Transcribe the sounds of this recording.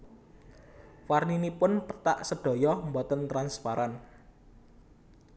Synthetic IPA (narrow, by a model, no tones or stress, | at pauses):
farninipʊnpət̪a̰ʔsəɖ̥ɔ̤jɔmbɔt̪ənt̪ɾanspaɾan